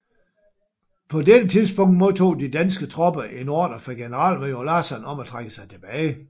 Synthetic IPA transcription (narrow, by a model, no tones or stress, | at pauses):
pʰɒ̽ded̥ət͡sʰiðˠsb̥ɔ̽ŋ̰d̥mo̝t͡sʰo̝̰ːd̥id̥ænsɡ̥ət͡sʰʁɒ̽b̥ɐʔenɒ̰ːd̥ɐfɒɡ̥e̝nəʁɑ̰̈ːl̰mejolæsænɒ̽mæt͡sʰʁaɡ̥əsɑ̈ɪt͡sʰe̝b̥ɛːɪ